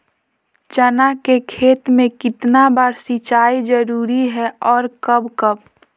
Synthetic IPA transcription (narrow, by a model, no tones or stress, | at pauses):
t͡ʃənakekʰeːt̪mẽkɪt̪nabəːɾsit͡ʃaːid͡ʒəɾuːɾiɦɛɔːɾkəbkəb